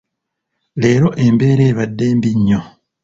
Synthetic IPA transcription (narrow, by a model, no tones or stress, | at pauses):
le̞ːɾo̞ʔe̞mbe̞ːɾeːβadːe̞ːmbiɲːo